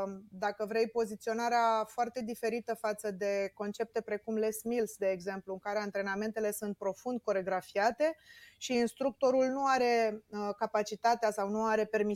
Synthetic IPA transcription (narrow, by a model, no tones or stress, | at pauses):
d̪akəvɾe̞jpo̞zit̪sio̞naɾeafoart̪e̞d̪ife̞ɾit̪əfat̪səd̪e̞ko̞nt͡ʃe̞p̚t̪e̞pɾe̞kumle̞smilsd̪e̞ːɡze̞mpluɨŋkaɾe̞ant̪ɾe̞name̞nt̪e̞le̞sunt̪̚pɾo̞fund̪̚ko̞ɾe̞ɡɾafiat̪e̞ʃiːnst̪ɾuk̚t̪o̞ɾulnuaɾe̞kapat͡ʃit̪at̪easawnuaɾe̞pe̞rmi